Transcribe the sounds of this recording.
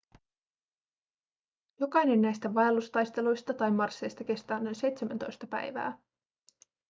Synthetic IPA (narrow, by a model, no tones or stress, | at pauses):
jo̞kɑjne̞nːæjst̪æʋɑjɑlust̪ɑjst̪e̞lujst̪ɑt̪ɑjmɑrsːe̞jst̪ɑk̟e̞st̪ɑːnːænse̞jt̪semænt̪o̞̰jst̪ɑpæ̰jʋæ̰ː